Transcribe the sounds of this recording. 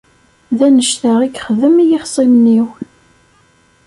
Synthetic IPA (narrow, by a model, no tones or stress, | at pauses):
ðænəʃθəʁikχəðəmijiχsˤimniw